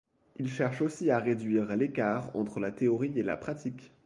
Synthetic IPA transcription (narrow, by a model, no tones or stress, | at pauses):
ilʃɛʁʃosiaʁed̪ɥiʁlekaːʁɑ̰̃t̪χəlat̪eɔʁiela̰pχat̪ʰik